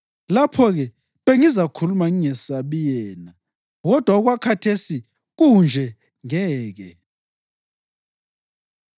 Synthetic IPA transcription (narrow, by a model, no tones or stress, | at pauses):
lapʰɔɣɛ | βeŋizakʰulumaŋiŋɛsaβijɛːna | ɣɔd̥ʱwaɔɣwakʰatʰesi | ɣund͡ʒʱɛ | ŋɛːɣɛ